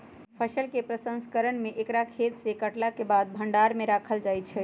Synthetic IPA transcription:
pʰəsəlkepɾəsə̃nskəɾənmeʔekɾakʰet̪sekəʈlakebad̪̚bʱəɳɖaɾmeɾakʰəld͡ʒaj̚t͡ʃʰɛ

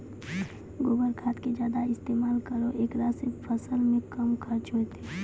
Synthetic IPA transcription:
ɡoːɡəɾkʰaːt̪ked͡ʒjaːd̪aɪst̪eːmaːlkəɾoʔeːkɾasepʰəsəlmẽkəmkʰəɾt͡ʃot̪ʰeː

